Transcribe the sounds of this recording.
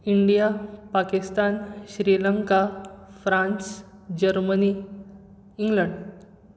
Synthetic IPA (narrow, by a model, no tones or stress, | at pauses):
iɳɖijapakist̪anɕɾiləŋkafɾãnsd͡ʑəɾməni | iŋɡləɳɖ